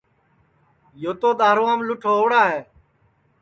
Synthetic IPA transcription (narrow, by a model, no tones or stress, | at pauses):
joːt̪oːd̪aːɾːãːmlʊʈʰoːoːɽaːɦeː